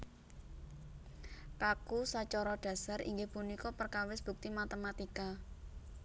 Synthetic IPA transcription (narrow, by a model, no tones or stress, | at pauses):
kakusat͡ʃɔɾɔɖ̥ä̤saɾʔḭŋɡɪhpunikɔpərkawɪsb̥ṳk̚t̪imat̪əmat̪ika